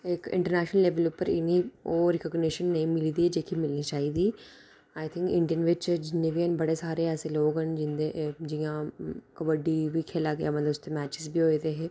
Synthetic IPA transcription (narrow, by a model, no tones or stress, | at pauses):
ɪkɪ̰̃ɳʈəɾnɛːʃnəlleːʋəlupːəɾɪ̰niːoːɾɪkəːɡniʃənːəĩːmɪliːd̪iːɛːd͡ʒeːkimɪlniːt͡ʃaːiːd̪iː | aːɪt̪ʰɪ̃ŋkɪ̰ɳɖijənʋɪt͡ʃd͡ʒɪnːeːʋiːənbəɽeːsaːɾeːɛːseːloːɡɦənd͡ʒɪnd̪ed͡ʒiːãːkəbəɖiːʋiːkʰeːlaːɡejaːmət̪ləbʊst̪eːmɛːt͡ʃɪzbiːɦoːid̪eːɦeː